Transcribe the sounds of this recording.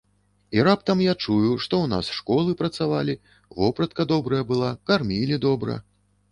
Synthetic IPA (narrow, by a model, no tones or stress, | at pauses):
iɾap̚t̪ɐmjat͡ʂujuʂt̪ɔwna̰sʂkɔlˠɨpɾɐt̪savalʲi | vɔpɾɐt̪̚kɐd̪ɔbɾɐjɐbɨlˠakarmʲilʲid̪ɔbɾɐ̰